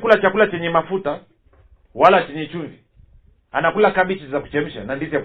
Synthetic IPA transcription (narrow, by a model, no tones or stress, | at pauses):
kulat͡ʃakulat͡ʃɛɲɛmafuta | walat͡ʃɛɲɛt͡ʃunzi | a̰nakulakaɓit͡ʃizzaku̥t͡ʃɛm̩ʃanandizak